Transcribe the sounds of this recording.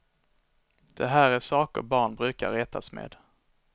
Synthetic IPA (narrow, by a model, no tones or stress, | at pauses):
d̪̥ɛɦæːɾæʂɑːkə̰ɾbɑːɳbɾʉ̟ːka̰ɾːɛːt̪ʰasmḛːd̪